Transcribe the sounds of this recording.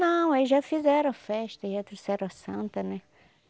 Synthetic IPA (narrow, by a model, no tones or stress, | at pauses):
nɐ̃w̃ezʒafizɛɾɐ̃w̃ɐfɛʃt̪ɐʒat̪ɾosɛɾɐ̃ɐsɐ̃nt̪ɐnɛ